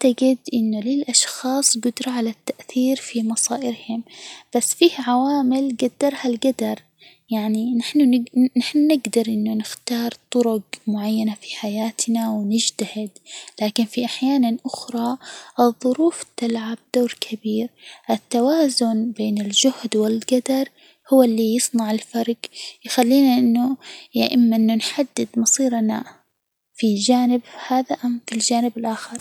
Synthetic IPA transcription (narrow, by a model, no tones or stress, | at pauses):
ʕt̪aɡɪd̪ʔɪnːʊlɪlʔɑʃxɑːsˤɡʊd̪ɾˤɑʕalat̪ːaʔθiːɾfimɑsˤɑːʔɪɾhʊmb̥asːfiːhʕawaːmɪlɡad̪ːɑɾˤhalɡad̪ɑɾˤ | jaʕninɪħnʊɪnaħnnɪɡd̪ɑɾˤʔɪnːʊnɪxt̪ɑːɾˤt̪ˤʊɾʊɡmʊʕajːanafi̥ħajaːt̪nawnɪd͡ʒt̪ahɪd̪laːkɪnfiʔaħjaːnanʔʊxɾˤɑʔɨðˤːʊɾuːft̪ɪlʕab̚d̪oːɾkʰabiːɾʔɪt̪ːawaːzʊnbeːnɪld͡ʒʊhd̪wɪlɡad̪ɑɾˤ | hʊwːɪlːijɨsˤnɑʕɪlfɑɾˤɡjxalːiːnaʔɪnːʊjaʔɪmːaʔɪnːʊnħad̪ːɪd̪mɑsˤiːɾna | fid͡ʒaːnɪbhaːðaʔamfild͡ʒaːnɪbɪlʔaːxɪɾˤ